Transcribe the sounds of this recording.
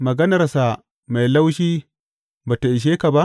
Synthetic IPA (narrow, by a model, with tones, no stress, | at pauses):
mɐ˨ɡɐ˦nɐ˨rsa˨ | ma˨jla˦wʃiː˦ | baː˨ta˨ʔɪ˨ʃ̬eː˦ka˨ba˦ʔ